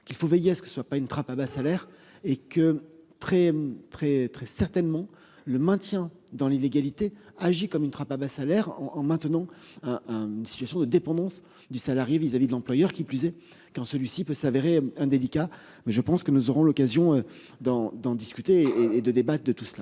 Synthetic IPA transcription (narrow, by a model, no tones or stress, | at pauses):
kʲilfovejeasə̥kəsəswapaynt̪χapabasalɛʁ | ekət̪χɛt̪χɛt̪χɛsɛʁt̪ɛnmɑ̃ | ləmɛ̃t̪jɛ̃ | d̪ɑ̃lileɡalit̪e | aʒikɔmynt̪χapabasalɛʁɑ̃ːmɛ̃t̪ənɑ̃ɛ̃ɛ̃ynsit̪yasjɔ̃d̪əd̪epɑ̃d̪ɑ̃s | d̪ysalaʁjevizavid̪əlɑ̃plwajœʁkʲiplyzɛ | kɑ̃səlɥisipøsaveʁeɛ̃d̪elika | mɛʒəpɑ̃skənuzɔʁɔ̃lɔkazjɔ̃ød̪ɑ̃d̪ɑ̃d̪iskʲyt̪eeːd̪əd̪ebat̪χəd̪ət̪usəla